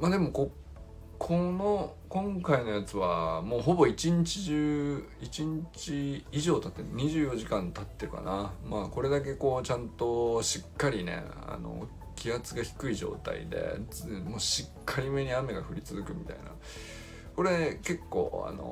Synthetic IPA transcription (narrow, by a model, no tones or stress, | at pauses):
maːd̪e̞mo̞ko̞ | kʰono | kõ̞ŋkaino̞jat͡sɨβamo̞ːɦo̞bo̞it͡ɕiɲ̟it͡ɕiʑɨːit͡ɕiɲ̟it͡ɕiːʑo̞ːt̪at̪ːe̞ɲ̟iʑɨːjo̞ʑikãnt̪at̪ːe̞ɾɯ̟ka̰namaːko̞ɾe̞d̪ak̬e̞ko̞ːt͡ɕãnt̪o̞ɕikːaɾʲinḛ | a̰no̞̰ | kʲʰijat͡sɨɡaçi̥kɯ̟iʑo̞̰ːt̪a̰ḭd̪e̞̰moːɕikʰːaɾʲime̞ɲ̟iame̞ɡaɸɯ̟ɾʲit͡sɨzɨkɯ̟mʲit̪a̰ḭna̰ | ko̞ɾe̞ke̞kːo̞̰ːa̰no̰